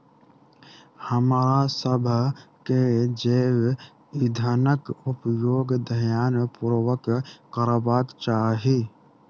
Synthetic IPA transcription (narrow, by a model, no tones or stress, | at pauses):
həmːɾasəbʱked͡ʒeːw | ɪd̪ʱənəkʊpjoːɡd̪əɦjaːnpuːɾwəkːəɾbaːkt͡ʃaːɦe